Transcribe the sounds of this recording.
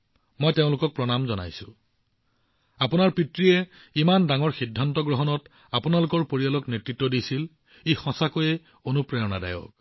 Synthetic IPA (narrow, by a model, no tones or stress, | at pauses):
mɔjteʊ̃lʊkɔk̚pɹɔnamzɔna̰jsʊ̃ | apunaɹpitɹijɛ | imandaŋɔɹxidʱːantɔɡɹɔɦɔnɔt | apunalʊkɔɹpoɹijalɔknetɹitːɔdisil | ejxɔ̃sakojɛ | onupɹajɔna̰da̰jɔ̰k̚